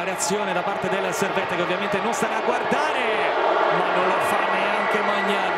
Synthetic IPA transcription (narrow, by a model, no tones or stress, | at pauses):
ɾeat̪sːjoːned̪apart̪ed̪elːaservɛnt̪ːeakeovjament̪enonst̪aɾaːɡward̪aːɾe | manːõnlafaneeaŋkemaɲːa